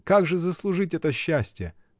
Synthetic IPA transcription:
kaɡʐɨzəslˠʊʐɨtʲɛt̪əɕːæsʲtʲɪjə̰

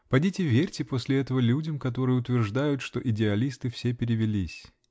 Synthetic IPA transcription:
pɐdʲitʲɪvʲerʲtʲɪpo̞sʲlʲɪɛt̪əvəlʲudʲəmkɐt̪o̞ɾɨjəʊt̪vʲɪrʐd̪ajʊt̪ʂt̪o̞ʔɪdʲɪɐlʲist̪ɨfsʲepʲɪɾʲɪvʲɪlʲisʲ

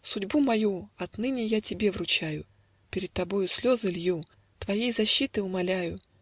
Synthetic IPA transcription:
sʊdʲbumɐjuɐt̪nɨnʲɪjatʲɪbʲe̞vrʊt͡ɕajʊ | pʲɪɾʲɪt̪̚t̪ːɐbo̞jʊsʲlʲozɨlʲju | t̪vɐjejzɐɕːit̪ɨʊmɐlʲæjʊ

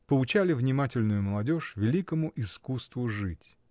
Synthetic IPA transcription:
pəlʊt͡ɕalʲɪvnʲɪmatʲɪlʲnʊjʊməlˠɐdʲo̞ʂvʲɪlʲikəmʊʔɪskust̪vʊʐɨtʲ

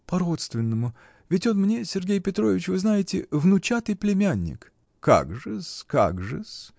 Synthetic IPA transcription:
pɐɾot̪st̪vʲɪnːəmʊ | vʲɪtʲot̪mnʲesʲɪrɡʲejpʲɪt̪ɾo̞vʲɪt͡ɕvɨznajɪtʲɪvnʊt͡ɕat̪ɨjplʲɪmʲanʲːɪ̰k | kːa̰ɡʐɨska̰ɡʐɨ̰s

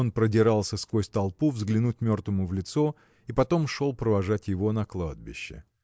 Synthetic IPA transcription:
onpɾədʲɪɾalˠsʲəskvosʲt̪ɐlˠpuvzɡlʲɪnut̚ʲmʲo̞rt̪vəmʊvlʲɪt̪so̞ | ipɐt̪o̞mʂo̞lˠpɾəvɐʐatʲjɪvo̞nɐklˠad̪̚bʲɪ̰ɕːɪ̰

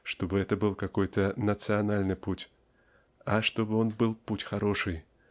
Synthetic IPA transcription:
ʂt̪obɨɛt̪əbɨlˠkakɔjt̪ənət̪sɨanalʲnɨputʲ | ɐʂt̪obɨonbɨlˠputʲxaɾoʂɨj

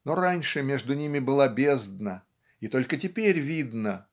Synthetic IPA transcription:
no̞ɾanʲʂɨmʲe̞ʐd̪ʊnʲimʲɪbɨlˠabʲe̞zd̪nə | it̪o̞lʲkətʲɪpʲeɾʲvʲid̪nə

